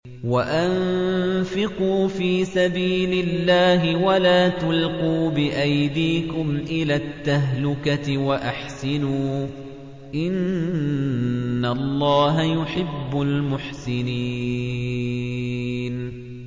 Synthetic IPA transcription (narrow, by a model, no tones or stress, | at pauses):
waʔanfɪquːfiːsabiːlɪlːaːɦɪwalaːt̪ʊlquːbɪʔajd̪iːkʊmʔɪlaːt̪ːaɦlʊkaɪwaʔaħsɪnuː | ʔɪn | alˤːɑːɦajʊħɪbːʊlmʊħsɪni | n